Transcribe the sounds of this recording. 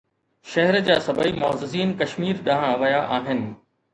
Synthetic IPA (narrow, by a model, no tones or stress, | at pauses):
ʃɐɦɛɾd͡ʑaːsɐbʱəimɔːzɪziːnkɐʃmiːɾɗaɦãʋɐjaʔaːɦɪnɪ̆